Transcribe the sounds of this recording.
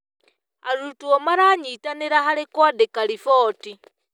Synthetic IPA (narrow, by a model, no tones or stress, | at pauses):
a̰ɾutuomaɾaɲitaneɾaɦalekodekalifoːti